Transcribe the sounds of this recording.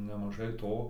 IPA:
nʲɛmɐˈʒɐɪ ˈtoː

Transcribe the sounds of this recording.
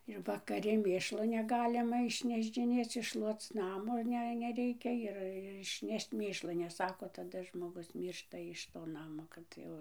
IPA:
ɪr ʋɐkɐˈrʲɪ ˈmʲeːʃlˠoː nʲɛˈɡɑːlʲɪmɐ ɪʃʲnʲɛʒʲd͡ʒʲɪˈnʲeːt͡s ɪʃˈʃlˠuɔt͡s ˈnɑːmoː ˈnʲɛ nʲɛˈrʲɛɪkʲɛ ɪr ɪʃʲˈnʲɛʃt͡ʃ ˈmʲeːʃlˠoː nʲɛs ˈsɑːkoː tɐˈdɐ ʒmoːˈɡʊs ˈmʲiːrʃtɐ ˌɪʃ toː ˈnɑːmoː ˈkɐt jɛʊ

